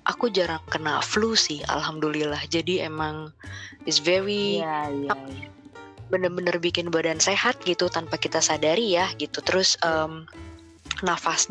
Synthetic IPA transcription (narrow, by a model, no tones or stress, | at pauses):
ʔakud͡ʒaɾaŋkənaflusɪha̰lɦamdulilahd͡ʒadiemaŋɪsvɛɾi | a | bənərbənərbikɪnbadansehat̪̚ɡit̪ut̪anpakit̪asadaɾijahɡit̪ut̪əɾʊsəːm | nafasɲ